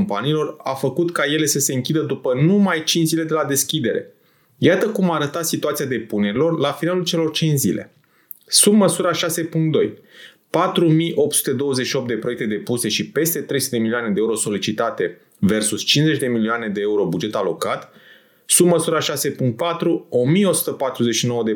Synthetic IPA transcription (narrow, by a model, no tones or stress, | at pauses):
mpaniːlo̞ra̰fəkut̪kaje̞le̞səse̞ɨŋkʲid̪əd̪upənumajt͡ʃinzile̞d̪e̞lad̪e̞skʲid̪e̞ɾe̞̰ | jat̪əkumaːɾət̪at̪sit̪uat̪siad̪e̞pune̞ɾilo̞rlafinalult͡ʃe̞lo̞rt͡ʃint͡ʃzḭle̞̰ | sub̚məsuɾaʃase̞puŋkt̪d̪o̞j | pat̪ɾumijʔo̞p̚t̪su̥t̪e̞d̪o̞wəzeʃiopt̪d̪e̞pɾoek̚t̪e̞d̪e̞puse̞ʃipe̞st̪e̞t̪ɾe̞jsu̥t̪eemilioaned̪eeuɾoso̞lit͡ʃit̪at̪e̞ | ve̞rsust͡ʃinze̞t͡ʃʲd̪e̞milioane̞d̪e̞euɾo̞bud͡ʒe̞t̪alo̞kat̪ | sub̚məsuɾaʃase̞puŋkt̪̚pat̪ɾuo̞mijeo̞su̥t̪əpat̪ɾuze̞ʃino̞wəd̪e